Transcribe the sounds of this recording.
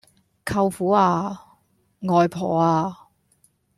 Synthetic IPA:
kʰɐ˧wfuː˨˥aː˧ | ŋɔː˨jpʰɔː˨˩aː˧

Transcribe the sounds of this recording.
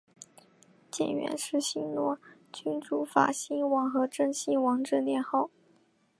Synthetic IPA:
t͡ɕjɛ̰˨˩nɥɛ̰˧˥nʂɻ̩˥˩ɕi˥ŋlwɔ˥ | t͡ɕy˥nʈ͡ʂu˧˥fa̰˨˩ɕi˥nwɑ˧˥ŋxɤ˧˥ʈ͡ʂɤ˥˧ŋɕi˥nwɑ˧˥ŋʈ͡ʂɻ̩˥˧ljɛ˥˧nxɑ˥˩ʊ

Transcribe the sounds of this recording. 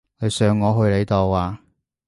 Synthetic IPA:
kɵ˨˧sœː˨˧ŋːɔː˨˧ɦɵ˧ɥle˨˧jt̪o˨˩wwaː˨

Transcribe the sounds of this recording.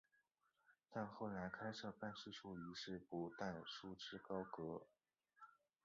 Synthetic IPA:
t̪a˥˧nxo˥˩ʊla˧˥ɪkʰa˥ɪʂɤ˥˧pa˥˧nʂɻ̩˥˧ʈ͡ʂʰu˥˩i˧˥ʂɻ̩˥˩pu˧˥t̪a˥˩nʂu˥ʈ͡ʂɻ̩˥kɑ˥ʊkɤ˧˥

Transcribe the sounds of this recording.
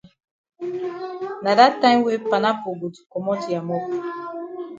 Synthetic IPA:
na˨da˦ta˦we˦pa˨na˦po˨bu˨tu̥˨kɔ˨mɔ˦tu˨ja˨mɔ˦ku˨

